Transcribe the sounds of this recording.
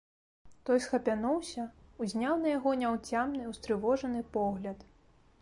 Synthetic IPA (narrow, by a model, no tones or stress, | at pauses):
t̪ɔjsxɐpʲanɔwsʲɐuzʲnʲawnɐjaɣɔnʲawt͡sʲamnɨuwst̪ɾɨvɔʐɐnɨpɔɣlʲɐt̪